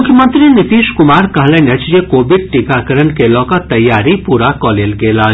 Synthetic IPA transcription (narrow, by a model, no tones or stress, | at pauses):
mʊkʰjəmənt̪ɾinɪt̪iːʃkʊmaːɾkɐɦlenet͡ʃjekoːbɪɖ̚ʈikakɐɾənkelɔːkat̪ɐjːaːɾipuːɾakɔːleːlɡeːlaː